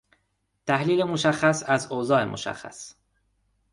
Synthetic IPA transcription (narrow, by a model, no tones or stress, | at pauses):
t̪ʰæhliːlemoʃæxːæsæzozɒːe̞mʔo̰ʃæ̰xːæ̰s